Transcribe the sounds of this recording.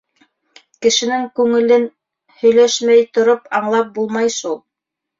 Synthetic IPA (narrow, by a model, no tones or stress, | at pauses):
kɘ̆ʃɘ̆nɘŋkʉŋɘ̆lɘn | hɵ̆jlæʃmæjt̪ŏɾopɑɴlˠɑp̚bulˠmɑjʃulˠ